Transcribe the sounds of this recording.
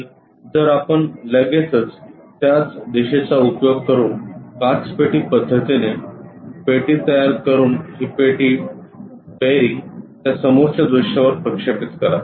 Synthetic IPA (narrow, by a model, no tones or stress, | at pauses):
d͡zəɾapəɳləɡet͡sət͡s | t̪jat͡sd̪eɕet͡saupjoɡkəɾuːnkaʈspeʈ̪iːpəd̪ʱːət̪inepeʈiːt̪əjaɾkəɾuːnɦipeʈiː | beɾiŋɡt̪jasəmoɾt͡sad̪ɾuɕaʋəɾpɾəkʂepit̪kəla